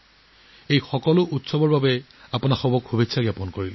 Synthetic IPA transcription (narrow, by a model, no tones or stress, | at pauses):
ejxɔkɔlʊʔutsɔbɔɹbabɛ | apʊnaxɔbɔkhubitsʰaɡapɔnkoɹilɛ